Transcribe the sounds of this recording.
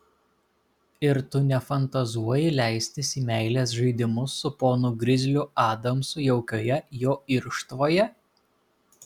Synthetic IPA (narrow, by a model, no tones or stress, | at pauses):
ɪɾt̪ʊnʲɛfɐnt̪ɐzuɔjɪlʲæˑɪsʲt̪ʲɪsʲiːmʲæˑɪlʲeːs̬ʒɐɪd̪ʲɪmʊsːʊpoːnʊɡɾʲɪzʲlʲʊɑːd̪ɐmsʊjɛʊkʲoːjɛjoːɪɾʃt̪ʋoːjɛ